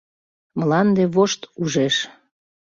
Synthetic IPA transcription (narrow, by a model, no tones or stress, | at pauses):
məlɑnd̪eβoʃt̪uʒeʃ